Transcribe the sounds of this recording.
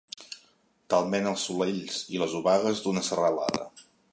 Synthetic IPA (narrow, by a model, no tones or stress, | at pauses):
t̪alˠmenəlˠsːuleʎsiləzuβaɣəzd̪unəsərəla̰ðə̰